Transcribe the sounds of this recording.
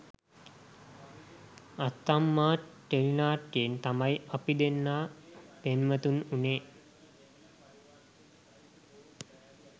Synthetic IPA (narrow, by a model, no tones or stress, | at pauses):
at̪ːamːaːʈːelinaːʈːient̪amajapid̪enːaːpenmət̪ununeː